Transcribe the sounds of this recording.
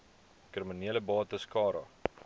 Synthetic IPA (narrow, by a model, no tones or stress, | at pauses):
krəməniələbɑːtəskɑːɾɑ̰